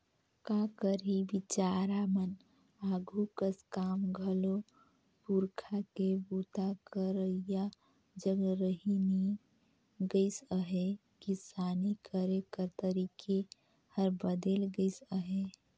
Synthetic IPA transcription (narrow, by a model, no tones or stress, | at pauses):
kakəɾibit͡ʃaːɾamən | aːɡʱukəskaːmɡʱəlo | puɾkʰakebuːt̪akəɾəija | d͡ʒəɡɾəɦini | ɡəɪsəɦe | kisaːnikəɾekəɾt̪əɾiːkʰe | həɾbəd̪eːlɡəɪsəɦe